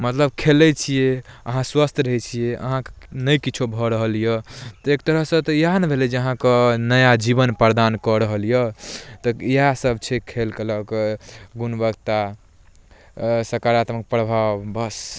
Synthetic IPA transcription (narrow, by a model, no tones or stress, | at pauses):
mət̪ləb̚kʰelɛt͡ʃʰijeəɦãswəst̪ʰɾəɦɛt͡ʃʰijeʔə̰ɦãknəjkit͡ʃʰobʱɔɾəɦəlijət̪ɔek̚t̪əɾəɦsə̃t̪ɔjanebʱelɛd͡ʒeəɦãkənəjad͡ʒibənpəɾd̪ankɔɾəɦəljət̪ɔiasəbt͡ʃʰɛkʰelkələkɡunbəɡt̪a | səɾkaɾat̪mək̚pɾəbʱabəs